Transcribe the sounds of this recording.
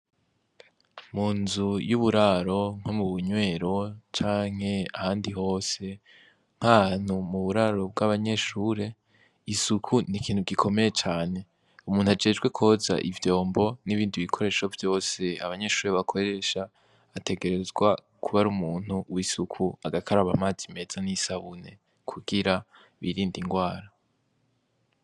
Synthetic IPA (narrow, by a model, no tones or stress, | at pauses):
muːnzujuβuɾaɾo̞ŋ̥omuβuɲwe̞ːɾo̞t͡ʃaːŋ̥he̞ahaːndiɦo̞ːse̞ | ŋ̥haan̥umuβuɾaɾo̞b̚ɡaβaɲe̞ʃuːɾe̞ | isukʰunikʰiːn̥huɡikʰo̞meje̞t͡ʃaːne̞ | umuːnuad͡ʒe̞ːd͡ʒɡwe̞kʰoza̰ʔivjo̞ːmbo̞niβiːndiβikʰo̞ɾe̞ːʃo̞vjo̞ːse̞a̰βaɲe̞ʃuːɾe̞βakʰo̞ɾe̞ʃaː | tʰe̞ɡe̞ɾe̞zɡwa | kʰuβaɾumuːn̥huwisukʰuaɡakʰaɾaβamaːzime̞z̥anisaβune̞ | kʰuɡiɾa | βiɾiːndiŋɡwaːɾa